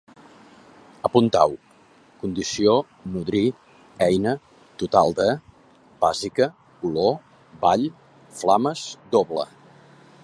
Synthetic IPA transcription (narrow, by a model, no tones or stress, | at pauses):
əpunt̪aw | kund̪isio | nuðɾi | ɛjnə | t̪ut̪a̰lˠd̪ə | b̥azikə | ulo | baʎ | flaməsd̪oβlə̰